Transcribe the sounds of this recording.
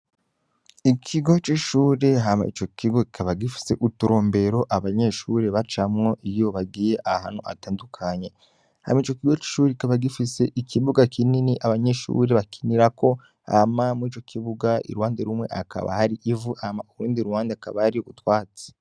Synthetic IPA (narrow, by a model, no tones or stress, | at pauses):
ikʰiɡo̞t͡ʃiʃuːɾe̞ɦama̰it͡ʃo̞kiɡo̞kikʰaβaɡifi̥se̞ʔutuɾo̞ːmbe̞ɾo̞ʔaβaɲe̞ʃuɾe̞βat͡ʃamŋo̞ʔijo̞βaɡiːje̞ʔahaːn̥hṵʔa̰taːndukʰaɲe̞ | ha̰mait͡ʃo̞kiɡot͡ʃi̥ʃuːɾeki̥kaβaɡifise̞ʔikʰiβuɡakʰininiʔaβaɲe̞ʃṵɾe̞βakiniɾako̞ | ha̰mamuiːt͡ʃo̞kʰiβuɡaḭɾuwaːndeɾumŋe̞̰ʔa̰kʰa̰βa̰haɾiʔivuʔamauɾuːndiɾuwaːndeaka̰βahaɾioutwaːt͡se̥